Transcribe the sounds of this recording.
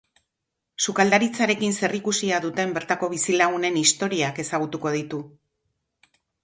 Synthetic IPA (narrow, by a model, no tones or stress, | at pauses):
sukald̪aɾit͡saɾe̞kinse̞rikusiaðut̪e̞mbe̞ɾt̪ako̞β̞isilaɣ̞une̞nist̪o̞ɾiake̞saɣ̞ut̪uko̞ð̞it̪u